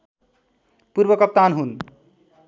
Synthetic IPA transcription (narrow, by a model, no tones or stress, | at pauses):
puɾbʌkʌp̚t̪anɦun